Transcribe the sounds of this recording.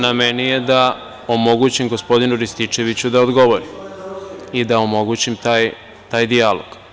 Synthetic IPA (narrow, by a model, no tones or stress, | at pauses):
namenijed̪a | omo̞ɡut͡ɕimɡospo̞d̪inuɾist̪it͡ʃe̞ʋit͡ɕud̪aod̪ɡo̞ʋo̞ɾim | id̪aomo̞ɡut͡ɕimt̪aːj | t̪aːjd̪ialo̰ɡ̥